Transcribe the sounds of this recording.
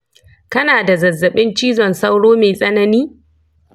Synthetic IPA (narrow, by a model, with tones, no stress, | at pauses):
kɐ˦naː˨da˨zɐ˨zːɐ˨ɓɪ˦nt͡ʃiː˦zɔ˨nsa˦wɽoː˦meː˨sʼɐ˦nɐ˦niː˦